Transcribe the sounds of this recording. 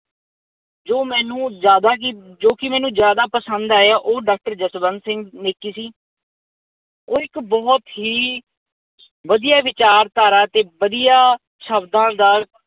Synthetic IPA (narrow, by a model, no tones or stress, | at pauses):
d͡ʒoːmɛːnũːzjaːd̪aːkɪd͡ʒoːkɪmɛ̃ːnũːzjaːd̪aːpəsə̃nd̪aːeaʔoːɖaːk̚ʈəɾd͡ʒəsbənsɪ̃ŋɡneːkiːsiː | oːɪkbɔːt̪ɦiː | ʋəd̪ijaːʋɪt͡ʃaːɾt̪aːɾaːt̪eːʋəd̪ijaː | ʃʰəbd̪ãːd̪aː